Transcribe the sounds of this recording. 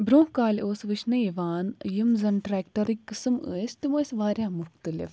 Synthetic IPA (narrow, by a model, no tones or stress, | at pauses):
bɾõːhkaːloːsʋɨt͡ʃnɨiʋaːnjɐmzɐnʈɾɛːkʈɐɾikːɨsɨməːst̪umosʋaːɾʲjãːmʊxt̪əlɪ̰f